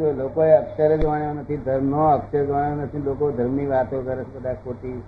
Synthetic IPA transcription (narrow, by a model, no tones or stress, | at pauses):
d͡ʒolokoeəkʃəɾed͡ʒʋaɳjonət̪ʰid̪ʱəɾmnoəkʃəɾd͡ʒʋaɳjonət̪ʰilokod̪ʱəɾmniʋat̪okəɾet͡ʃʰkəd̪ak̚poʈ̪i